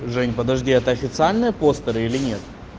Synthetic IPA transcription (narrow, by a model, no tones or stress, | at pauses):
ʐɛnʲpəd̪ɐʐdʲiɛt̪əɐfʲɪt̪sɨalʲnɨjəpo̞st̪əɾɨilʲɪnʲe̞t̪